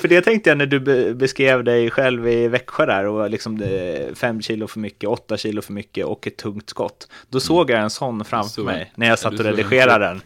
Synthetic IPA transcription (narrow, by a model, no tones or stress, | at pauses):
fœɖɛt̪ʰɛŋkt̪əjanæɖɵbbɛskɾeːvd̪ɛjɧɛlvɪvɛkɧad̪æɾɔlɪksɔmfɛmːɕiːlʊfœɾmʏkːəɔt̪ːaɕiːlʊfœɾmʏkːəʔɔkːɛt̪ʰːɵŋkt̪skɔ̰t̪ːd̪̥ɔsoːɡjaɛnsɔnːfɾamfœɾmɛ̰jnæɾjaːsat̪ːɔɾɛd̪ɪɧeːɾad̪d̪ɛn